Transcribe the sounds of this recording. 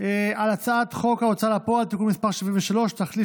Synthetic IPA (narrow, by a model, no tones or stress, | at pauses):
ealat͡saat̪χo̞kaot͡salapoalt̪ikunmispaʁʃivimveʃalo̞ʃt̪aχli